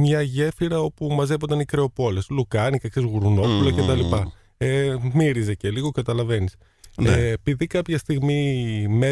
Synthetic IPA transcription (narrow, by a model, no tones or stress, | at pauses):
mɲɐʝe̞fiɾɐo̞pumɐze̞vond̪ɐnikɾe̞o̞po̞le̞slukɐnikɐksizɣuɾuno̞pulɐcet̪ɐlipɐ | emiɾizece̞liɣo̞kɐt̪ɐlɐve̞nis | epiðikɐpçɐst̪iɣmime